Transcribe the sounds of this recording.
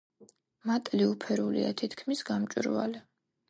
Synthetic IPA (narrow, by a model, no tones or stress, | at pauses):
mat̪ʼliupʰɛɾulḭa̰t̪ʰit̪ʰkʰmisɡamt͡ʃʼiɾva̰li